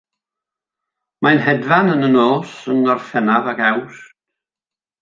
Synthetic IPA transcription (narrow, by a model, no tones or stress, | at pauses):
manɦɛdvanənənoːsənɔrfɛnavakaws